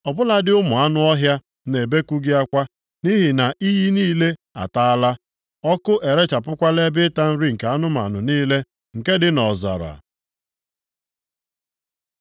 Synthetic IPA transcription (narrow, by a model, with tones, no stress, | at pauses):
ɔ˨bʊ˦la˦dɪ˦ʊ˦mʊ˨a˦nʊ˦ɔ˦ɦja˦ | ne˨be˦ku˦ɡɪ˦a˦kʷa˦ | ni˦ɦi˨na˨ʔi˦ji˦niː˦le˦a̰˨ta˦a˦la˦ | ɔ˦kʊ˦ʔe˨ɾe˦t͡ʃa˨pʊ˦kʷa˦le˦bɪ˦ta˦n̩˦ɾi˦ŋ̩˨ka˨a˦nʊ˦ma̰˨nʊ˨niː˦le˦ | ŋ̩˨ke˦dɪ˦nɔ˨za̰˨ɾa̰˨